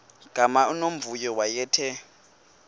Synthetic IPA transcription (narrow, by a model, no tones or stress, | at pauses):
ɡ̥ʱamaunom̩vujɔwajɛːtʰɛ